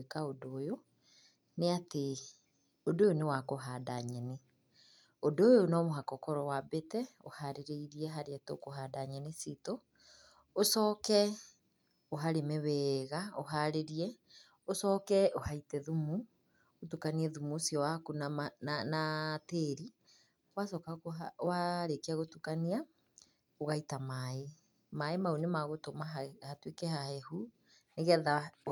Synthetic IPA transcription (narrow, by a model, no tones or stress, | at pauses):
ekaodojo | neate | odojonewakoɦadaɲɛne | odooːjonɔmoɦakɔkɔɾɔwabetɛo̰haɾeɾeiɾiɛɦaɾeato̰koɦaːdaɲɛnesito | osɔːkɛ | oɦaɾemɛβɛɣaoɦaɾeɾiɛ | osɔːkɛohaitɛðumu | otukaniɛðumuosijɔwakunanateɾi | wasɔkawaɾekeaɣotukania | oɣaitamae | maemaonemaɣotomahatwekɛhahɛhu | neɣeaða